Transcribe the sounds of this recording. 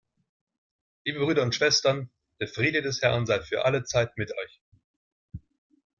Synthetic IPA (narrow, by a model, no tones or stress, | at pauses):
liːbəbʁyːɾɐʊntʃv̥ɛstɐn | d̥eːɐfʁ̥iːdədɛshɛɐnzaɪfyːɐʔalət͡saɪtmɪtʰɔʏç